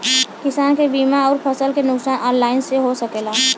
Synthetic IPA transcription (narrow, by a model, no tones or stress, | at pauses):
kɪsaːnkebiːmaɔːɾpʰəsəlkenʊksaːnʔɔːnlaːɪnseɦosəkeːlaː